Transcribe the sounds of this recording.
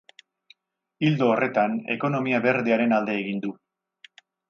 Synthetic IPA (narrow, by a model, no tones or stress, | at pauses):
ild̪o̞ːrʔe̞t̪ane̞̰ko̞no̞miaβeɾðeaɾe̞nald̪e̞ːɣind̪u